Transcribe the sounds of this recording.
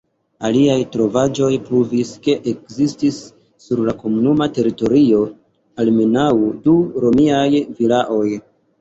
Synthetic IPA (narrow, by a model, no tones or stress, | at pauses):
aliajtɾo̞vad͡ʒo̞jpɾuviske̞ʔekzistisː | uɾlako̞munumate̞ɾito̞ɾio̞ | alme̞nawduɾo̞miajvilaʔo̞j